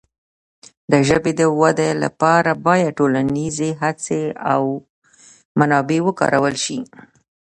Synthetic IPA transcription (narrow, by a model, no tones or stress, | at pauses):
d̪əʒəbed̪əwad̪ela̰pɑɾabɑjad̪̚ʈolanizeɦat͡seaw | manɑbewəkɑ̰ɾawəlʃi